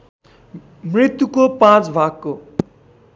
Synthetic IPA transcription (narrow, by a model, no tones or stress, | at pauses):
mrit̪jukopãt͡sbʱakːo